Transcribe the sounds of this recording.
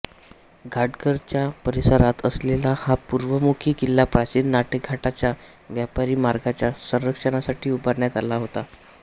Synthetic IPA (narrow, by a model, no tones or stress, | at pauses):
ɡʱaɖkəɾt͡ɕjapəɾisəɾat̪əslelahapuɾʋəmukʰiːkilːapɾat͡ɕiːnnaʈʰək̚ɡʱaʈat͡ɕja | ʋjapaɾiːmaɾɡat͡ɕjasə̃ñɾəkʂəɳ̃asaʈiːubəɾɳjat̪alaɦot̪a